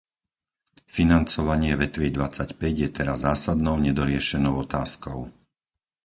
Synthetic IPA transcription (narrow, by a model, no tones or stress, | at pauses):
finant͡sɔʋaɲɪɛʋɛt̪ʋid̪ʋat͡sacpɛɟjɛt̪ɛɾazːaːsad̪nɔʊɲɛd̪ɔɾɪɛʃɛnɔʊɔt̪aːskɔʊ